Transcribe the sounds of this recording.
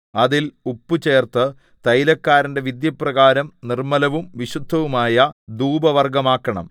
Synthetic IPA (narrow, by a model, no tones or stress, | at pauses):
ɐðilupːut͡ɕe̞ːrt̪ɨ | t̪ɐjlɐkːaːɾɐnde̞ʋid̪jɐprɐɣaːɾɐmnirmɐlɐʋumʋiɕud̪ʱːɐʋumaːjɐd̪uːbɐʋɐrɡɐmaːkːɐɳɐ̰m